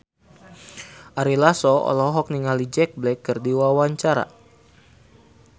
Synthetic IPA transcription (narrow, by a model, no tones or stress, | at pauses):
ʔaɾilasɔɔ̰lɔɦɔk̚niŋalid͡ʒɛk̚blɛkːɨrdiwawaɲt͡ʃaɾa̰